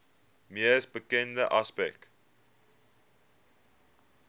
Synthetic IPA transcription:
miəsbəkɛndəʔɐspɛ̰k̚t

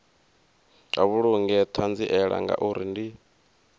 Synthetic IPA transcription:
aβuɺuŋɡɛtʰand͡ziʔɛɺa̰ŋɡa̰ʔuɾḭndi

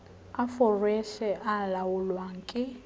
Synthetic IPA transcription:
afɔrɛʃɛʔalawʊlwaːŋkʼɪ

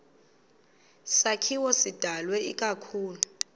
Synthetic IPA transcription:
sakʰiwɔsid̥ʱalwɛḭkʼakʰuːlu

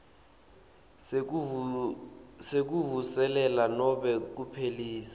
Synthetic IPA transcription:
sek̬uɦusɛlɛlanɔɓɛk̬upʰeliːsḁ

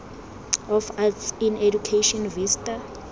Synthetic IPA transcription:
ɔfasinedukʰeʃɔnvistʼa

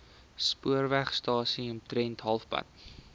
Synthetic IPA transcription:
spuərvæχstɑːsiɔmtɾɛntɦɐlˠfpɐ̰t̚

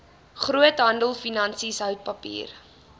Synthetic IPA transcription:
χruətɦɐndəlˠfinɐnsisɦœwt̚pɐpḭːr

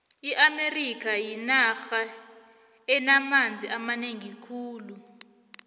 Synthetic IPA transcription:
iʔamerik̬ʰajinaxa | ɛnamand͡zʱiʔamaneŋikʰuːlu

